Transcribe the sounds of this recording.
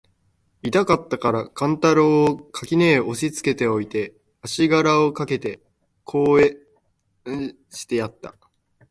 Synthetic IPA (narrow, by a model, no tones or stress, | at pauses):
it̪akat̪ːakaɾakãnt̪aɾoːkʰakʲineːo̞ɕit͡sɨ̥ke̞t̪e̞o̞it̪e̞ | aɕiɡaɾao̞kake̞t̪e̞ | kʰo̞ːe | ɕi̥t̪e̞jat̪ːa̰